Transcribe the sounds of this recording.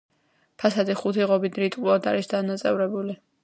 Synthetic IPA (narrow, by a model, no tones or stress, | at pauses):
pʰasad̪iχut̪ʰiʁɔbid̪ɾit̪ʼqʼulad̪a̰ɾisd̪anat̪sʼɛvɾɛbuli